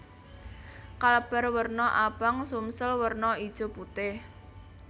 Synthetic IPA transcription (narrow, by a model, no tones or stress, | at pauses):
kaləb̥ɛ̤rwərnɔʔab̥aŋsumsəlwərnɔid̥ʒ̥o̤put̪ɪh